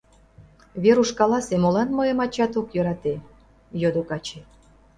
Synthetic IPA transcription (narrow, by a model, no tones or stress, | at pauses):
βeɾuʃkɑlɑsemolɑnmojemɑt͡ɕɑt̪okjøɾɑt̪e | jød̪okɑt͡ɕe